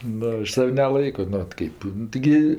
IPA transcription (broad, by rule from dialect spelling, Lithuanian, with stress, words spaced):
ˈnʊ ˈɐʃ ˈsɐw nʲɛˈlˠɐɪkoː nʊ ˈoːt ˈkɐɪp nʊ tʲɪˈɡʲɪ